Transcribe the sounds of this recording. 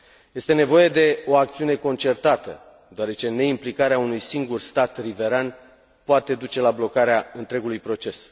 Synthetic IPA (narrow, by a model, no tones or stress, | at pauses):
je̞st̪ene̞vo̞je̞d̪e̞o̞ak̚t̪siune̞ko̞nt͡ʃe̞rt̪at̪ə̰ | d̪oaɾe̞t͡ʃe̞ne̞implikaɾeaunujsiŋɡurst̪at̪rive̞ɾan | poat̪e̞d̪ut͡ʃe̞lablo̞kaɾeaɨnt̪ɾe̞ɡulujpɾo̞t͡ʃe̞s